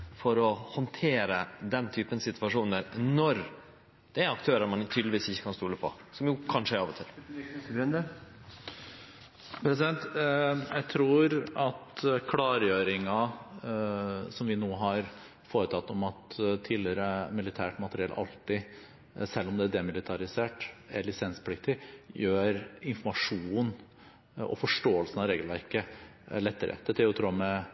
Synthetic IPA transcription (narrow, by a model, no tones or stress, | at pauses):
fɔɾɔhɔnt̪ʰeːɾəd̪ɛnt̪ʰyːpənsɪt̪ʰʋɑʂuːnəɾnɔɾ | d̪̥ɛæɾɑk̚t̪ʰøːɾəɾmɑnt̪ʰyd̪ləʋiːsɪçːə̥kʰɑnst̪uːləpʰɔ̰ | sɔmjʊkʰɑnʂəæɾɑːʋɔt̪ʰɪlː | pʰɾɛs̬ɪɛnt̪jæɪt̪ʰɾuːɾɑt̪kʰlɑːɾjøːɾɪŋɑ | sɔmʋɪnuːɦɑɾ | foːɾət̪ʰɑt̪ːɔmɑt̪t̪ʰːiːlɪəɾəmɪlɪt̪ʰæːʈmɑt̪ɾɪɛlʔɑ̰lt̪ɪ | sɛlːɔmd̪ɛæɖɛmɪlɪt̪ʰɑɾɪseːʈælɪsɛnspʰlɪk̚t̪ɪjøːɾɪnfɔmɑʂuːn | ɔ̰fɔʂʈoːəlsənɑɾeːɡəlʋæɾkəlɛt̪ːəɾʔə̰d̪̥ɛt̪ʰɪlɔt̪ʰɾuːmɛ